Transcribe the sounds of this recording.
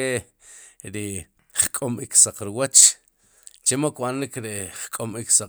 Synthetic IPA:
e | ɾi | χkʼomiksaq͡χɾiwat͡ʃ | t͡ʃemokwanɾikɾeχkʼomiksa

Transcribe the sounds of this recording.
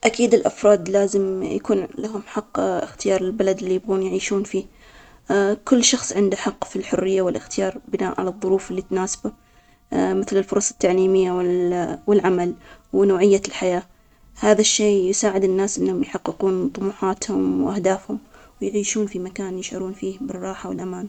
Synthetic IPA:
ʔakiːd̪ɪlʔafɾˤɑːd̪laːzɪmjakuːnlaɦʊmħɑqːɪxt̪ɪjɑːɾˤɪlbalad̪ɪlːijɪbɣuːnjʕiːʃuːnfiː | kʊlːʃɑxsˤʕɪnd̪aħɑqːfilħʊrːɪjːawɪlʔɪxt̪ɪjɑːɾˤbɪnaːʔʕa̰lɑðˤːʊɾuːfɪlːit̪naːsḁba | mɪθlɪlfʊɾˤɑsˤɑ̥t̪ːaʕliːmɪjːawwɪlʕamalwnoːʕɪjːalħajaː | haːðaʃːeːjʊsaːʕɪd̪ɪnːaːsʔɪnːhʊmjħɑqːɪquːnt̪ˤʊmuːħaːt̪hʊmwʔahd̪aːfhʊm | wjʕiːʃuːnfimakaːnjɪʃʕa̰ɾuːnfiːhbɪrˤːɑːħawɪlʔamaːna

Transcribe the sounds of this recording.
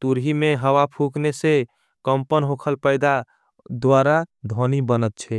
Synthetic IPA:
t̪uɾɦimeɦəʋapʰuknese | kəmpənɦokʰəlpəjd̪a | d̪ʋaɾad̪ʱonibənət̪̚t͡ʃʰɛ

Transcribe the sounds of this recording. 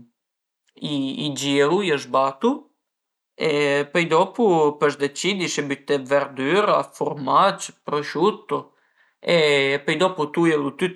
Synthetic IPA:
iːd͡ʒiɛlujəʒbat̪u | ɛpəjd̪ɔpupəʃd̪ɛt͡ʃid̪iʃɛbyt̪ɛvɛɾd̪yɾafuɾmat͡ʃpɾɔʃut̪ɔ | ɛpəjd̪ɔput̪ujɛlˠut̪y

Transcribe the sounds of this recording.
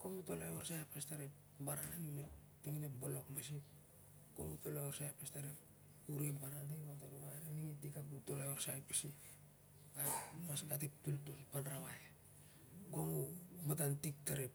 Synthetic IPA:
komutolajoɾsajpastaɾep | baɾaanino | tiŋinebolokmasip̚ | ko̰mutolajoɾsajpastaɾep | uɾebaɾanteɡataɾumaɾaniŋitikakutolajorsajpi̥si | ɡamaskat̬ip̚tultulpanɾawaja | ɡoŋubatantik̚taɾep̚

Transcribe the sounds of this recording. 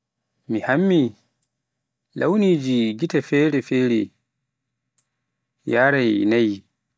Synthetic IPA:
mihamːi | lʔawniːd͡ʒiɡitafɛːɾɛfɛːɾɛ | jaːɾajnaj

